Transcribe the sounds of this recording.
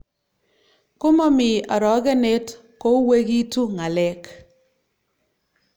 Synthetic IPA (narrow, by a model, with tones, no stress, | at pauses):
kʊ˦mɔ˦mɪ˨ɔ˨ɾɔ˨˦ɡɛ˦ne˦t | ko˦we˦ɡi˦tu˦ŋa˨lɛ˦k